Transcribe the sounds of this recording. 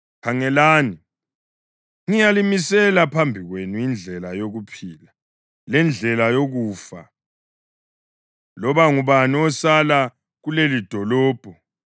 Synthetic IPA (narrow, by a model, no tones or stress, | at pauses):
kʰaŋɛlaːni | ŋijalimisɛlapʰambʱiɣwenuind͡ɮʱɛlajoɣupʰiːla | lɛnd͡ɮʱɛlajoɣuːfa̰ | lɔβaŋuβaniɔsala | ɣulelid̥ʱɔlɔːb̥ʱɔ